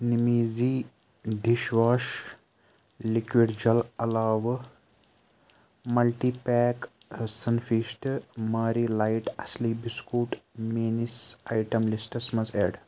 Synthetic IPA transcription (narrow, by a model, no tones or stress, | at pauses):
nimiːziː | ɖ̪iʃʋaːʃ | likʋiɖd͡ʒɐlɐlaːʋ | mɐlʈiːpɛːk | sɐnfiʃʈmaːɾiːlajʈɐslibiskuːʈmeːnisajʈɐmlisʈɐsmɐzḛːɖ